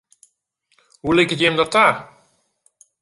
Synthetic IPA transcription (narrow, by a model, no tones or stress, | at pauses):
ɦulɪkətjɛmdɔtaːr